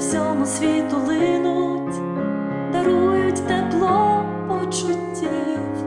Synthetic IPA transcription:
wsʲɔmʊsʲʋʲit̪ʊlˠɪɪnʊtʲ | d̪ɐɾujʊtʲd̪ɛplˠɔ | pɔt͡ʃʊtʲːi

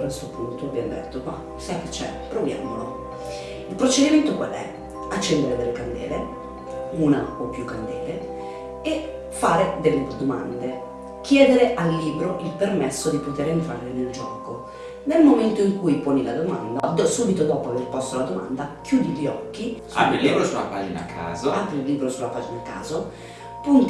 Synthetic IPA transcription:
est̪opunt̪oabːjamod̪ɛ̰t̪ːoba̰ | sajket͡ʃːɛ̰pɾovja̰ːmo̰lo̰ | ilpɾot͡ʃed̪iment̪okwa̰lɛ̰ | at͡ʃːɛnd̪eɾed̪elekand̪ɛ̰ːlḛ | una̰opːjukːand̪eːle | e | faːɾed̪elːed̪oma̰nd̪e | kʰjɛːd̪eɾeʔalːiːbɾoʔilpermesːod̪ipot̪eːɾint̪ɾa̰ɾleneld͡ʒɔ̰ːko | nelmoment̪oiŋkujpoːnila̰d̪oma̰nd̪ad̪suːbit̪od̪ɔːpoaverpɔst̪olad̪oma̰nd̪akʰjuːd̪iʎɔ̰kːi | a̰bilːiːbɾosula̰pad͡ʒina̰kʰːa̰ːzoalt̪ɾeilːiːbɾosulːapaːd͡ʒinakːa̰ːzo | punt̪

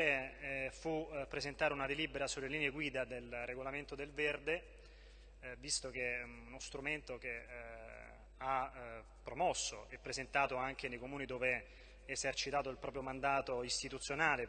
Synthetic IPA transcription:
efupːɾezent̪aːɾeunad̪eliːbeɾasulːeliːneɡwiːd̪ad̪elreɡolament̪od̪elverd̪e | vist̪ok̟eunost̪ɾument̪ok̟e | a | pːɾomɔsːoɛpːɾezent̪aːt̪oaŋk̟enejkomuːnid̪oːveː | zert͡ʃit̪aːt̪oilpɾɔːpɾjomand̪aːt̪oist̪it̪ut̪sːjonaːle

